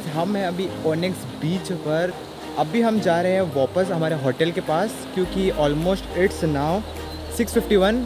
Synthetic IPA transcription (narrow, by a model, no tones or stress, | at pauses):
ɦɐmɦɛ̃ɐbʱioːneks | biːt͡ʃpɐɾ | ɐbʱiɦɐmd͡ʒaːɾɐɦeɦɛ̃ʋaːpəsɦɐmaːɾeɦɔːʈəlkepaːs | kjõːkiɔːlmoːsʈɪʈsnaːʊ | sɪksfɪfʈiʋɐn